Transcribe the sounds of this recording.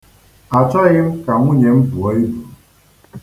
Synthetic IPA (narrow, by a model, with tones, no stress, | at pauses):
a˨t͡ʃa˦ji˦m˦ka˨mu˦ɲɛ˨˦m̩˦bu˨ɔ˨˦i˦bu˨